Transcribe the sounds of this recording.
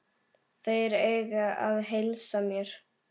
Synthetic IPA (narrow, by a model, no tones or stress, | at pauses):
θejɾeːjɣaa̰ðɦejlsamjɛɾ̥